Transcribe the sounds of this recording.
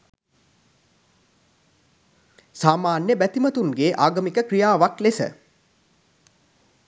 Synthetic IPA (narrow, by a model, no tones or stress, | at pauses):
saːmaːnjəbæt̪imət̪uŋɡeːʔaːɡɐmikəkrijaːʋaklesə̰